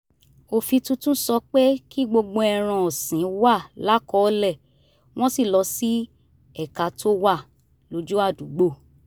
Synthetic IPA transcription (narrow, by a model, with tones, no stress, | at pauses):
o˧fi˧tũ˦tũ˦sɔ˧k͡pe˦ki˦ɡ͡bo˧ɡ͡bo˧ɛ˧ɾ̃ã˧ɔ˨sĩ˨˦wa˦˨la˦kɔ˦lɛ˦˨ | w̃ɔ̃˦si˦˨lɔ˧˦si˦ | ɛ˦˨ka˧tʰo˦wa˦˨ | lo˨˧d͡ʒu˦a˦˨du˨ɡ͡bo˦˨